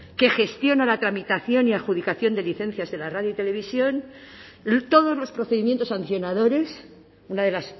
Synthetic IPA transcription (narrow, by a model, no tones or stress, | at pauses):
ke̞xe̞st̪jo̞nalat̪ɾamit̪aθjo̞niaxuðikaθjo̞nd̪e̞liθe̞n̟θjazðelaraðjoit̪e̞le̞β̞isjo̞n | t̪o̞ð̞o̞zlo̞spɾo̞θe̞ðimjent̪osanθjo̞naðo̞ɾe̞s | unaðe̞las